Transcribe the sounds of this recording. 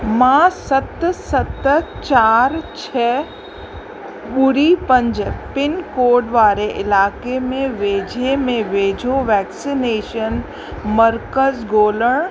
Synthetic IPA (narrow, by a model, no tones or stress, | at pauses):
mãːsɐt̪sɐt̪t͡ʃaːɾt͡ʃʰɛː | ɓʊɾipə̃ɲd͡ʒəpɪnkoːɾɖʋaːɾeʔɪlaːkemẽʋeːd͡ʒʱemẽʋeːd͡ʒʱoʋɛːksineːʃən | məɾkəzɡoːləɳ̃